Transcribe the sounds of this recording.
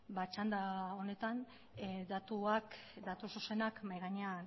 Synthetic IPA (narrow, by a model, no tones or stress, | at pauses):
bat͡ʃand̪ao̞ne̞t̪an | d̪at̪uak | d̪at̪ususe̞nakmajɣaɲean